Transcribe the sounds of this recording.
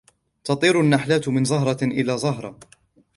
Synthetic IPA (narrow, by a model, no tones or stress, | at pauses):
t̪ɑt̪ˤiːɾanːaħlaːt̪mɪnzˤɑɦɾˤɑʔɪlaːzˤɑɦɾˤɑ